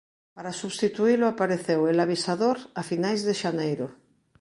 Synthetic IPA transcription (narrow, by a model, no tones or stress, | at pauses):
paɾasuβst̪it̪uiloapaɾeθewelaβ̞isaðoɾafinajzðeʃanejɾo